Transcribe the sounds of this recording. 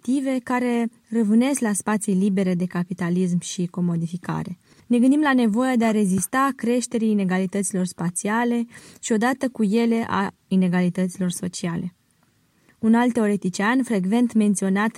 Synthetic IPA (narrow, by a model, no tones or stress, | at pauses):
t̪ive̞kaɾe̞ | rəvɨne̞sklaspat̪sijlibe̞ɾe̞d̪e̞kapit̪alis̬mʃiko̞mo̞d̪ifika̰ɾe̞ | ne̞ɡɨnd̪imlane̞vo̞jad̪e̞aɾe̞zist̪akɾe̞ʃt̪e̞ɾiːne̞ɡalit̪ət̪silo̞rspat̪siale̞ʃio̞d̪at̪əkuje̞le̞ʔa̰ | ine̞ɡalit̪ət̪silo̞rso̞t͡ʃiale̞ | unalt̪ːe̞o̞ɾet̪it͡ʃianfɾe̞ɡve̞nt̪me̞nt̪sio̞nat̪